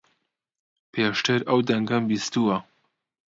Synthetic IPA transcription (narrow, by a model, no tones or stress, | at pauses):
pʰeːʃt̪ʰɨɾɐwd̪ɐŋɡɐmbist̪uwɐ